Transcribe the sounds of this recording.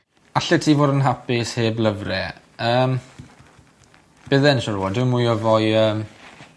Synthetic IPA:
aɬɛtʰiːvoːdənɦapɪsheːbləvrɛ | əːm | b̥ɪðɛnʃɔɾuwɔdɪwmujɔvɔjəːm

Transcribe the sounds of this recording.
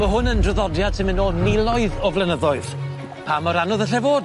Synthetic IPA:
məɦʊnəndrəðɔdjad̥̚tʰɪmɪnoːlˠnɪlˠɔɨðɔvlˠɛnəðɔɨð | pʰamɔɾanɔðəɬɛvoːd

